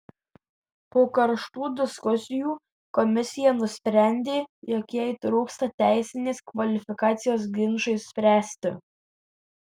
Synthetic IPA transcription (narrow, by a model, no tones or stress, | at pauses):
poːkɐɾʃt̪uːd̪ʲɪskʊsʲɪjuː | kɔmʲɪsʲɪjɛnʊsʲpʲɾʲæˑnʲd̪ʲeːjɔkʲjɛt̪ɾuːkst̪ɐt̪ʲæˑɪsʲɪnʲeːskʋɐlʲɪfʲɪkɑːt̪sʲɪjoːsɡʲɪnʒɐɪssʲpʲɾʲæːsʲt̪ʲɪ̰